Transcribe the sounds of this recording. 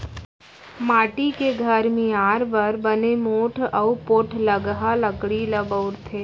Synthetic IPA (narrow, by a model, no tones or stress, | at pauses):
maːʈikeɡʱɐɾmẽaːɾbɐɾbɐnemoːʈʰɐupoʈʰləɡɦaləkɽilɐbəʊɾt̪ʰeː